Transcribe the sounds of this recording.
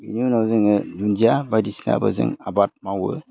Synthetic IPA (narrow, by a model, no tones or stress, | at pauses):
ininawzɯŋɯdund͡ʒiabajdisina̰bɯ̰zɯ̰ŋabat̚mawɯ̰